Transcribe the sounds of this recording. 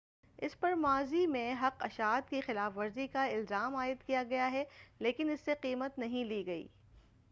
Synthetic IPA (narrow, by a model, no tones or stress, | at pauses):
ɪ̰spɐɾmaːzimẽɦɐqɐʃaːt̪kixɪlaːfʋɐɾzikaɪlzaːmaːɪd̪kijaɡɐjaɦɛleːkɪnɪsːeqiːmət̪nɐɦĩliːɡɐḭː